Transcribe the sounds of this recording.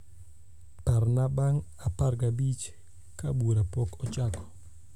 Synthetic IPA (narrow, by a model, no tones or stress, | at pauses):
paɾnabaŋ | aparɡabit͡ʃ | kabuɾapɔkɔt͡ʃakɔ̥